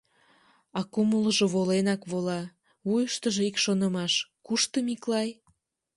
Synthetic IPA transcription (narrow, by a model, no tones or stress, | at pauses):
ɑkumələʒoβolenɑkβolɑ | βujəʃt̪əʒeikʃonəmɑʃkuʃt̪əmiklɑj